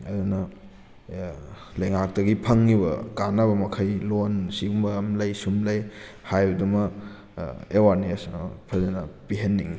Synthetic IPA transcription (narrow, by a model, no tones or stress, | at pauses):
ɐdunɐ | lɐjŋak̚dɐɡipʰɐŋːiβɐ̰kanɐβɐmɐkʰɐjlonsiɡumbɐmlɐjsumlɐjhajdumɐ | ewaɾnispʰɐzenɐpiɦɐnːiŋi